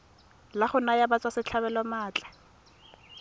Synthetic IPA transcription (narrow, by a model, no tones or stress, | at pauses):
laχʊnajabat͡sʼwasɪt͡ɬʰaβɛlɔmaːt͡ɬʼḁ